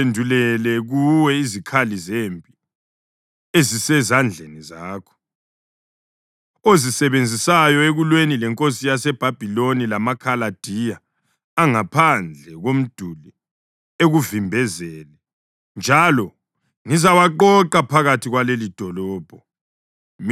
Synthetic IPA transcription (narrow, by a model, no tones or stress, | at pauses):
endʱulɛlɛɣuwɛizikʰalizembʱʼi | ezisɛzand͡ɮʱenizaːkʰɔ̥ | ozisɛβend͡zʱisajɔeɣulwenilɛŋkʼosijasɛb̥ʱab̥ʱilonilamakʰalad̥ʱijaː | ŋapʰand͡ɮʱɛɣom̩d̥ʱuli | eɣuvimbʱɛzɛlɛ | nd͡ʒʱalɔ | ŋizawaǃɔǃapʰaɣatʰiɣwalelid̥ʱɔlɔːb̥ʱɔ